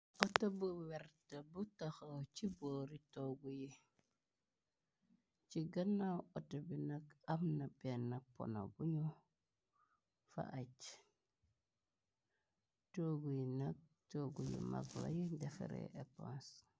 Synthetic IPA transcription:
otobuweɾtabutaxot͡ʃiboːɾitoɡuji | t͡ʃiɡanːawotobinakamnabenːapo̰no̰buɲu | fa̰ʔat͡ʃ | toɡujinak̚ | toɡujḭma̰ɡla̰jidefḛɾḛʔepo̰ns

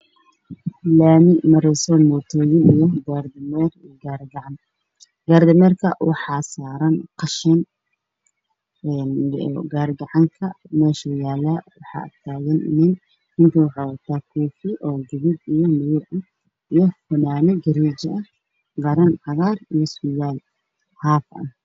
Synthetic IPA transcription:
laːmɪmɐɾɛjsɔːmɔːt̪ʰɔːjɪnɪjɔɡaːrd̪ɪmɛːr | ɡaːɾɡɑʕɑn | ɡ̥aːɾd̪ɐmɛːrkʰɐwʔɑħɑːsaːɾɐnqɑʃɪn | ɛnɡaːɾɡɐʕɑŋkʰɐ | mɛːʃɐjaːlaːwɑħɑ̰ːʔɐ̰t̪ʰaːɣɛnnɪn | hɪnt̪ʰɐwɑħɑɐt̪ʰaːkʰuːfɪʔɔːɡɪβɪd̪ijɔmɪjʊʕ | ijɔfʊnaːnɛɡɐɾiːd͡ʒɐʔɐ | ɡɐɾɐnʕɑɣaːrijɔsʊjaːl | haːfɐ̰n

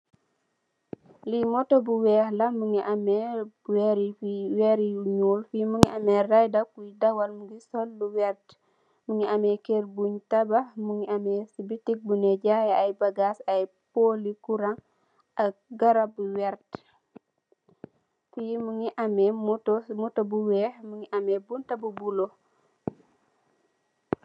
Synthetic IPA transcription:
limɔtobuwɛːhlɐmuŋiʔamɛbuwɛɾifiwɛɾiuɲuːlfimuŋiʔamɛrajdakujidɐwalmuɡisɔlːuwɛɾt | muŋiamɛkerbuɲtabahmuŋiamɛsibitik̚bunɛɟaːjaɐjbɐɡaːsɐj | polikuɾɐŋ | ʔɐk̚ɡɐɾɐbuwɛɾt | fujimuŋiʔɐmɛmutmutɐbuwɛːhmuŋiʔɐmɛbuntɐbubulo

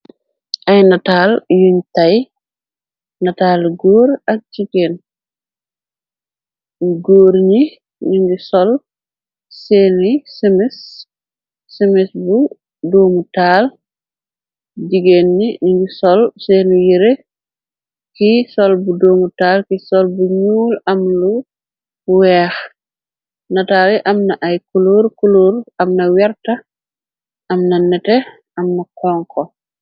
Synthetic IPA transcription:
ʔajnataljuɲtaj | nataːlɡoːɾak̚d͡ʒiɡen | ɡoːɾɲi | niŋɡisɔl | senisɛmɛsː | ɛmɛsbu | doːmutaːl | d͡ʒiɡenːiɲɡusɔlsɛnujiɾe | kisɔlbudoːmutaːlkisɔlbuɲuːlɐmlu | wɛːx | nɐtaːɾiʔɐmnɐʔajkuluɾkuluɾɐmnɐwɛɾtɐ | ʔɐmnɐnɛtɛ | ɐmnɐkɔŋkɔ

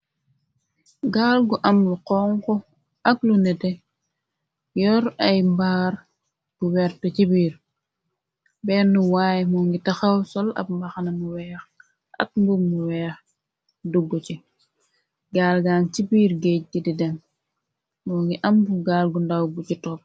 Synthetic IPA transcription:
ɡaːlɡuʔɐmbuqɔŋkɔ | ʔɐklunɛtɛ | jɔɾɐjmbaːɾ | b̥uwɛɾtɔcibiːɾ | bɛnːuwaːjmɔŋɡitɐxawsɔlɐ̰b̚mbɐxanɐmuwɛːx | ɐ̰k̚mbumuwɛːx | duɡːut͡ʃi | ɡaːlɡaːnt͡ʃibiːɾɡec̚dididɛm | mɔŋɡiʔɐmbuɡaːlɡundawɡucitɔːp̚

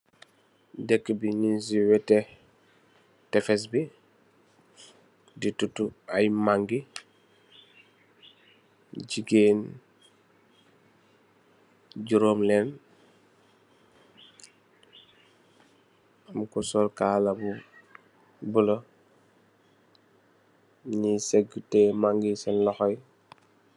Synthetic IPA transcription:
dekːbiɲinsiwɛte | tefes̬bi | ditutuajmaŋɡi | ɟiɡeːn | ɟuɾoːmlɛn | amkusɔlkaːlabu | bulo | ɲiseɡːutɛmaŋɡisɛnlɔxɔj

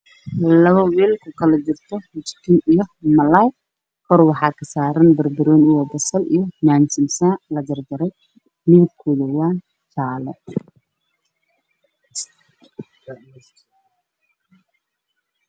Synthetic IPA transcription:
lɐβɐwiːlkʰʊkʰɐlɐt͡ʃɪrt̪ʰɔhʊt͡ʃk̪ʰɪnʔijɔmɐlaj | kʰɔrwɑħɑːkʰɐsaːɾɐnbɐrbɪɾɔːnijɔbɐsɐlḭjɔmaːnsɪmsalɐd͡ʒɐrdɐɾɛj | mɪðɪb̚kʰuðɔwaːn | t͡ʃaːlɛ

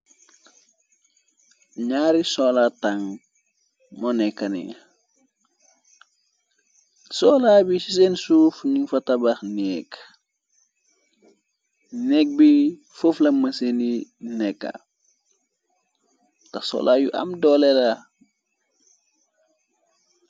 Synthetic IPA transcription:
ɲaːɾisɔːlataŋ | mɔnɛkːɐnḭ | sɔːlabisisensuːfniŋfɐtɐbaxnɛːk | nɛk̚bi | fuflɐmɐseninɛkːa̰ | tɐxsɔ̰lʔajṵʔɐ̰mdɔlɛla

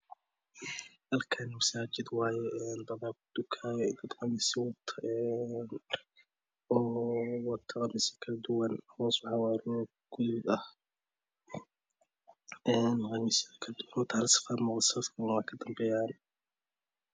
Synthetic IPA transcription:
hɐlkʰɐnmɐsaːd͡ʒɪd̪wɑːjɛʔɛnd̪ɐβakʊd̪̥ʊkʰaːjɛd̪ɐd̪qɑnɪsɪwɐt̪ʰɐʔɛn | ɔːwɑt̪ʰɐqɑmɪsɐ̥kʰɐlɐd̪ʊwɐnɐhɔːsħɑwaːɾɔ | ɡ̥ʊðɪɡɐh | ɛːnːqɑnɪskʰɐlɐd̪ʊwɐnwɔt̪ʰhlsɪ̥faːdmɔqd̪sfkʰʊnɐwɑkʰɐd̪ɐmbɛːjaːn

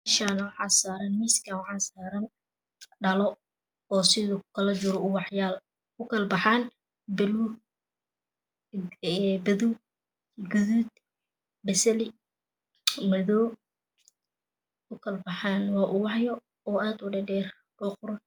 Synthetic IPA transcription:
ʃaːnɐwɑħaːsaːɾɐnmɪskʰɐwħɑːsaːɾɐn | ɖɐlɔ | ɔːsɪðʊkʰɐlɐd͡ʒʊɾɔʊwɑħjaːl | ʊkʰɐlbɑħan | bɛlu | ɛbɐðu | ɡʊðuːd̪ | bɐsɐlɪ | mɐðɔː | ʊkʰɐlbɑħanwɑːʔʊwɑħjɔ | ɔːʔaːd̪ʊɖɛɖɛːr | kɔqʊɾɐ

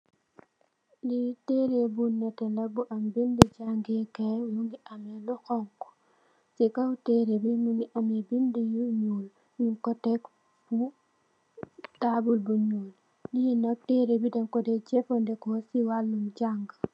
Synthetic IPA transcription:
litɛɾebunːɛtɛlɐbuʔɐmbindid͡ʒaŋɡɛkɛjuŋɡiʔɐmɛluxɔŋkɔ̥ | sikatɛɾebimuŋɡiʔɐmɛbindijuɲul | jiŋkɔtɛk | fu | tabulbuɲuːl | lijinɐk̚tɛɾebidɛŋkɔdɛd͡ʒɛfɔndɛkɔsiwalːumd͡ʒaŋɡ

